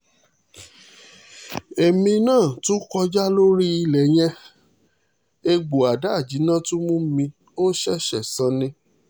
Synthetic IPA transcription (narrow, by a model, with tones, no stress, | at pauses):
e˨mĩ˧nãː˦˨tũ˦kɔ˧d͡ʒa˦lo˦ɾi˦i˧lɛ˨j̃ɛ̃˧ | e˧ɡ͡bo˨a˨da˦˨d͡ʒi˨˦nã˦˨tũ˦mũ˦mĩ˧ | o˦ʃɛ˦ʃɛ˦˨sã˨˦nĩ˧